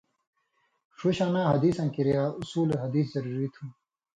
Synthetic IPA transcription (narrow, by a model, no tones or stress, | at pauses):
ʂuɕaːnãːɦɐd̪iːsɐ̃ːŋkiɾijaːusuːleɦɐd̪iːszɐɾuːɾit̪ʰũː